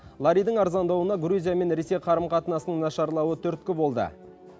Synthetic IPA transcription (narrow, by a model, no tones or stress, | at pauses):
lˠɑɾijd̪əɴɑɾzɑnd̪ɑwənɑɡɾuzʲijame̞nɾe̞se̞jqʰɑɾəmqɑt̪ənɑsənəŋnɑʃɑɾlˠɑwət̪ʰɵɾt̪̚kʲɪbo̞lˠd̪ə̰